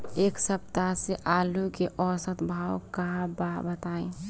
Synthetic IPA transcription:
eːksəp̚t̪aseʔaːlukeʔɔːsət̪bʱaːwkãbabət̪aːẽ

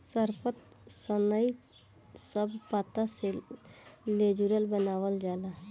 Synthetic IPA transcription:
səɾpʰət̪ | sənəi | səbpat̪ase | led͡ʒuɾəlbənaːwəld͡ʒaːlaɦ

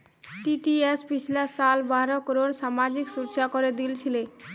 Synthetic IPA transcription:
ʈiʈiespit͡ɕʰilasalbaɾokɾoɾʃamad͡ʑiksuɾt͡ɕakoɾed̪ilt͡ɕʰile

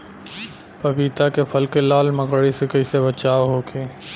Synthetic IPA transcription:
pɐbiːt̪akepʰɐlkelaːlməkɽisekɐɪsebət͡ʃaːʋɦoːkʰeː

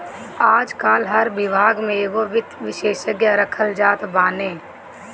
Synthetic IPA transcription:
aːd͡ʒkaːlɦəɾʋɪbʱaːɡmẽeɡoʋɪt̪ʋɪʃeːʃəɡjaɾəkʰəld͡ʒaːt̪baːnẽː

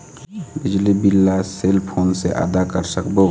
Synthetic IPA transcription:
bid͡ʒlibilːaselpʰonseʔa̰ːd̪akəɾsəkbo

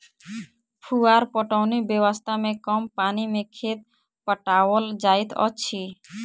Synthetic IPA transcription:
pʰuaɾpɔʈɔwnibewɔst̪ʰamẽkɔmpanimekʰet̪̚ | pəʈawɔld͡ʒajt̪ʰɔ̰t͡ɕʰi

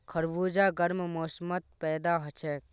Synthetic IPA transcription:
kʰɐɾbuːd͡ʒaːɡɐɾmmoːsmət̪̚pɛːd̪aːɦɐt͡ʃʰeːk

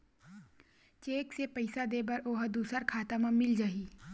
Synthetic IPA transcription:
t͡ʃeːksepəɪsad̪eːbɐɾoːɦd̪uːsəɾkʰaːt̪amãmɪld͡ʒaːiː

